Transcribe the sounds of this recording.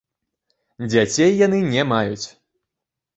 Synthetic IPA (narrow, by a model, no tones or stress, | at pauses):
d͡zʲat͡sʲejːan̪ɨnʲɛmajut͡sʲ